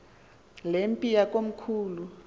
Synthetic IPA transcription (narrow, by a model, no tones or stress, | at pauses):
lempʼijak̬ʼom̩kʰuːlu